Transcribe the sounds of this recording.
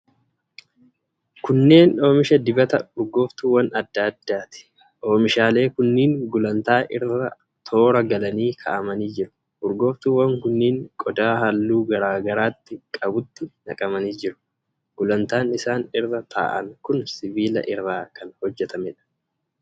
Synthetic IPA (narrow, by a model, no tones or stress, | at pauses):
kʊnːe̞ːno̞ːmɪʃɐd̪ɪbɐt̪ɐʊɾɡo̞ːft̪uːwɐnɐd̪ːaːd̪ːaːt̪ɪ̥ | ʔo̞ːmɪʃaːle̞ːkʊnːiːŋɡʊlɐnt̪aːʔɪrːɐ | t̪ʰo̞ːɾɐɡɐlɐniːkʰɐ̰ʔɐmɐniːd͡ʒɪɾʊ̥ | ʔʊɾɡo̞ːft̪uːwɐŋkʊnːiːŋkʼɔd̪aːhɐlːuːɡɐɾaːɡɐɾaːt̪ːɪkʼɐbʊt̪ːɪnɐ̰kʼɐmɐniːd͡ʒɪɾʊ̥ | ɡ̥ʊlɐnt̪aːnɪsaːnɪrːɐt̪ʰa̰ːʔɐŋkʊnsɪbiːlɐ̰ʔɪrːaːkɐnhɔd͡ʒːɛt̪ɐmɛᶑɐ̥